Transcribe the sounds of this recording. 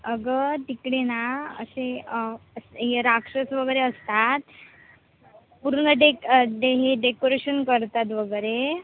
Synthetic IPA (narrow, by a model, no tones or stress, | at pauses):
əɡət̪ikɽenaə̰seəsɦeɾakʂəsʋəɡəɾeəst̪at̪ | puɾɳəɖeɖeɦeɖekoɾeɕənkəɾt̪at̪ʋəɡəɾe